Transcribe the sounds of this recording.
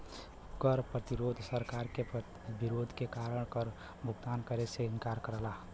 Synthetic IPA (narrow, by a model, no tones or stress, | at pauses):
kəɾpɾət̪iɾoːd̪ʱsəɾkaɾke | biɾoːd̪ʱkekaɾəɽ̃kəɾ | bʱʊɡt̪ankəɾeseɪnkaɾkəɾəla